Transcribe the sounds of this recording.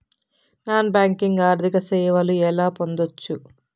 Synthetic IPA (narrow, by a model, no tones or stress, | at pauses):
naːnbaːŋkiŋɡaːɾd̪ʱikɐsɛːʋɐluɛlaːpo̞nd̪ot͡ʃːu